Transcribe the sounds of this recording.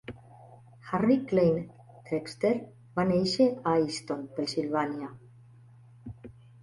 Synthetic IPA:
xariklejn | t̪ɾepst̪eɾ | βanejʃeajst̪onpensilβanja

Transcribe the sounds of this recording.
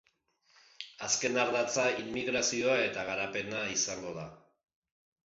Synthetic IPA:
aske̞naɾðat͡sainmiɣɾasio̞ae̞t̪aɣaɾape̞naisaŋɡo̞ða

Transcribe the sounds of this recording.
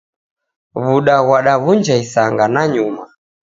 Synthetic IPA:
βuɗaɣwaɗaβund͡ʒaisaŋɡanaɲuma

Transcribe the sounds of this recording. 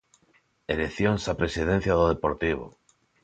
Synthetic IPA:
eleθjoŋsapɾesiðẽn̟θjaðoðepoɾt̪iβ̞o̰

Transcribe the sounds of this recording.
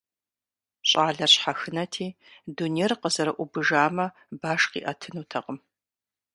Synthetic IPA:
ɕʼaːɮɐrɕħaxɨnɐtʰiː | dunerqəzɐɾɐʔʷʊbɨʒaːmɐ | baːʂqḭːʔɐtʰɨnuːtʰɐqəm

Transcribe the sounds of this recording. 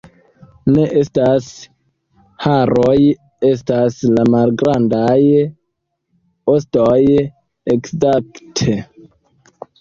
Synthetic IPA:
ne̞ʔe̞stas | haɾoj | e̞s̬taslamalɡɾandaj | ostoj | ekzaktʰe

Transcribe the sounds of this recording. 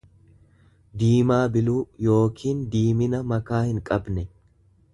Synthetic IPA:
d̪iːmaːbɪluːjo̞ːkʰiːnd̪iːmɪnɐmɐkaːhɪŋkʼɐbnɛ

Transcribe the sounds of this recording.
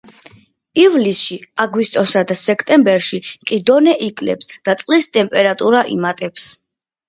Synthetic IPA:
ivlisʃiaɡwist̪ʼɔsad̪asɛkʰt̪ʼɛmbɛɾʃiqʼid̪ɔnɛʔikʼlɛ̰psd̪̥at̪sʼqʼlist̪ʼɛmpʼɛɾat̪ʼuɾaʔḭmat̪ʼɛps

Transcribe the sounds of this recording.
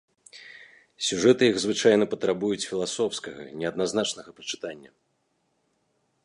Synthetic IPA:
sʲuʐɛt̪ɨjiɣzvɨt͡ʂajnɐpɐt̪ɾabujut͡sʲfʲilˠasɔfskɐɣɐ̰nʲɛɐd̪naznat͡ʂnɐɣɐpɐt͡ʂɨ̥t̪anʲːɐ̰

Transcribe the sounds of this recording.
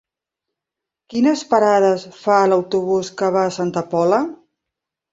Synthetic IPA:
kinəspəɾaðəsfaələwt̪uβ̞uskəβaːsant̪əpɔlə

